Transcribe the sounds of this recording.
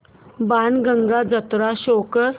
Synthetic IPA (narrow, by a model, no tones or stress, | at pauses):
banɡʱəŋɡad͡zət̪ɾaɕokə